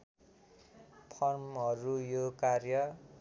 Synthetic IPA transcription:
pʰʌrmɦʌɾujokarjʌ

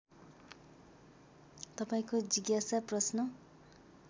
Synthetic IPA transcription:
t̪ʌpaĩkod͡ziɡjasaprʌsnʌ

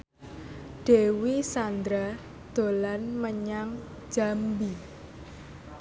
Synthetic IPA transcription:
ɖ̥ewisand̪ɾa | d̪̥o̤lanməɲaŋ̥ | d͡ʒ̥ambi

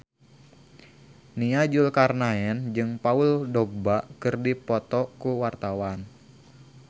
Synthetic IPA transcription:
niad͡ʒulkarnaɛnd͡ʒɨŋpauldɔɡ̚baʔkɨrdipɔt̪ɔkuwart̪awan

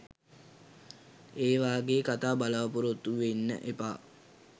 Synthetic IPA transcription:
eːʋaːɡeːkat̪aːbalaʋəpuɾot̪ːuʋenːə̰ʔepaː

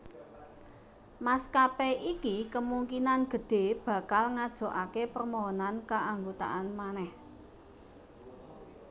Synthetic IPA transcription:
maskapeʔikikəmuŋkinanɡ̥ə̤d̥e̤b̥ä̤kalŋad̥ʒ̥o̤ʔakepərmɔɦɔnankaʔaŋɡut̪a̰ʔanmanɛh

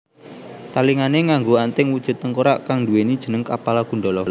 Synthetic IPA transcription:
t̪aliŋaneŋaŋɡoant̪ɪŋwud̥ʒ̥ə̤t̪ːəŋkoɾaʔkaŋduwenid̥ʒ̥ənəŋkapalaɡ̥ṳɳɖɔlɔl

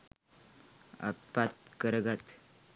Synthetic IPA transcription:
a̰pːat̪̚kəɾəɡat̪

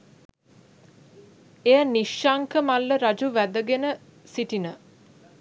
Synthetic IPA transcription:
ejəniʃːaŋkəmalːəɾad͡ʒuʋæd̪əɡenə | siʈinə

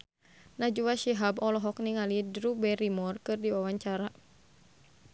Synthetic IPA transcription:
nad͡ʒuwaʃiɦabɔlɔɦɔk̚niŋalidɾubɛɾimɔrkɨrdiwawaɲt͡ʃaɾa

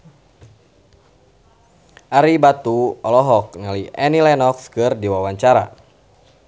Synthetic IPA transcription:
ʔaɾibat̪uɔlɔɦɔk̚naliɛnilɛnɔkskɨrdiwawaɲt͡ʃaɾa̰

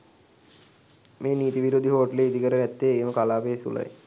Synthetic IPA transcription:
meːniːt̪iʋiɾod̪ʱiɦoːʈleid̪ikəɾənɛt̪ːeːeːməkalaːpesṵlə̰jḛ

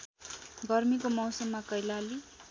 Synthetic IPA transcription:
ɡʌrmikomʌw̃sʌmːakʌjlali

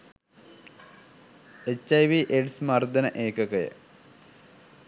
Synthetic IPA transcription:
et͡ɕːɐjʋiʔeɖsmɐrd̪ɐnɐʔeːkɐkɐjɐ̰

